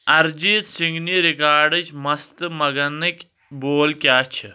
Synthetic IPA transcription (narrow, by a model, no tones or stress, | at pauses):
ɐɾd͡ʒiːt̪siŋɡniːɾikaːɾɖɐt͡ʃʰmɐst̪ɨmɐɡɐnɐkʲ | boːlkʲjaːt͡ʃʰi